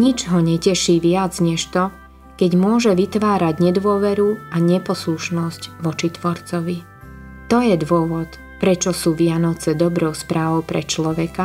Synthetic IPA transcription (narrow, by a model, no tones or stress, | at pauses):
ɲid͡ʒɦɔɲɛcɛʃiːʋɪad͡zɲɛʃt̪ɔ | kɛɟmʊɔʒɛʋit̪ʋaːɾaɟɲɛd̪ʋʊɔʋɛɾuaɲɛpɔsluʃnɔscʋɔt͡ʃit̪ʋɔɾt͡sɔʋi | t̪ɔjɛd̪ʋʊɔʋɔt̪ | pɾɛt͡ʃɔsuːʋɪanɔt͡sɛd̪ɔbɾɔʊspɾaːʋɔʊpɾɛ̰t͡ʃlɔʋɛka